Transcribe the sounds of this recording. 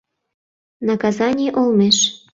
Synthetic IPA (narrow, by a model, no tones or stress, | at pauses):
nɑkɑzɑnʲiʔolmeʃ